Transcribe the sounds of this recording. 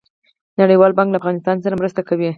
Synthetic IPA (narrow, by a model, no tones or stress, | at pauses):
naɽəjwɑlbɑŋɡklaːfɣɑnɪst̪ɑnsaɾamɾəst̪akawi